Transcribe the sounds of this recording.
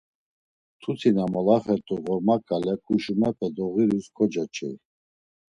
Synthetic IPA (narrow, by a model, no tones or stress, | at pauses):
t̪ʰut̪ʰinamɔlaχɛt̪ʼuɣɔmakʼalɛkʰʼuʃumɛpʼɛd̪ɔɣiɾuskʰʼɔd͡ʒat͡ʃʼɛ̰